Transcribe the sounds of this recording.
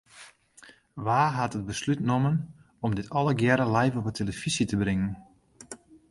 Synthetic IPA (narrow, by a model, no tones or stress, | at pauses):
ʋaːɦatət̚bəslytnomən | ɔmdɪtɔlˠəɡjɛɾəlɛjfɔpətʰeləfisitəbrɪŋən